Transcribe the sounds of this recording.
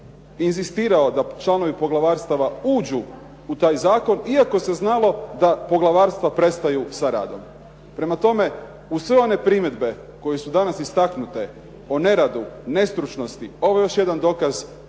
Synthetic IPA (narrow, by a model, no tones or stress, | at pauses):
inzist̪iːɾao̞d̪at͡ʃlˠano̞ʋipo̞ɡlaʋaːɾst̪aʋauːd͡ʒuː | t̪aːjzaːko̞niako̞se̞znalo̞d̪apoɡlˠaʋaːɾst̪ʋapɾe̞st̪ajusaɾa̰ːd̪o̞m | pɾe̞mat̪o̞me̞ | uʋe̞o̞ne̞pɾimje̞d̪be̞ | ko̞jesud̪anasist̪aknut̪e | one̞ɾad̪une̞st̪ɾut͡ʃno̞st̪io̞ʋojejo̞ʃje̞d̪and̪o̞kaz